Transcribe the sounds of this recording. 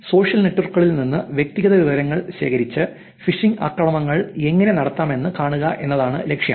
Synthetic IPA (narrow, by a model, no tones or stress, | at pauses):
so̞ːʂjɐlneʈːɐrkːɐɭilninːɨʋjek̚t̪iɣɐðɐʋiʋɐɾɐŋːɐɭɕe̞ːkɐɾit͡ɕːɨ | fiʂiŋɡa̰ːkːɐɳɐmɐŋːɐɭe̞ŋːɐne̞nɐɽɐt̪ːaːme̞nːɨkaːɳuɣɐʔe̞nːɐðaːɳɨ̰le̞kʂjɐ̰m